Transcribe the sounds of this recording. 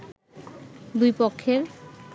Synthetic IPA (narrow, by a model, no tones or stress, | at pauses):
d̪ujpokʰːeɾ